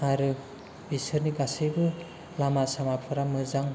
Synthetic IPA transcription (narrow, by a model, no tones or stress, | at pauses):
aɾɯ | bisɯɾniɡasɯjbɯ | lamasamapʰɯɾamɯzaŋ